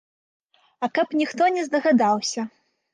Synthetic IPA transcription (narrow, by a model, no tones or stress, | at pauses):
ɐkɐpnʲixt̪ɔnʲɛzd̪ɐɣad̪awsʲɐ